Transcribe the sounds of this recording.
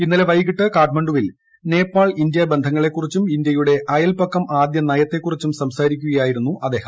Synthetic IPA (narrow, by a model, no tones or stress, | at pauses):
inːɐleʋɐjɣiʈːɨkaːʈmɐɳɖuʋil | ne̞ːpːaːɭind̪jɐbe̞nd̪ʱɐŋːɐɭe̞kːurit͡ɕːumind̪jɐjuɽe̞ʔɐjɐlpɐkːɐmaːd̪jɐnɐjɐt̪ːe̞kːurit͡ɕːumsɐmsaːɾikʲːuɣɐjaːjiɾunːuʔɐd̪e̞ːhɐm